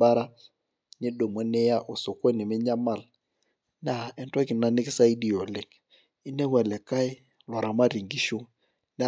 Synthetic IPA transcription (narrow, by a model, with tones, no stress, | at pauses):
ba˦ɾa˦ | ɲe˦do˨mɔ˨˦nɛ˦ja˦ʔo˨so˨ko˦nɪ˨mɪ˦ɲa˦ma˨l | na˨ɛ˨ntɔ˦kɪ˨na˦nɪ˦kɪ˦sa˦i˦di˨ɔ˨lɪ˨ŋ | i˦ne˦wɛ˨lɛ˨ka˦ɪ˦ | la˨ɾa˨ma˦ɾi˨ŋɡi˦ʃo˦ŋ | na˦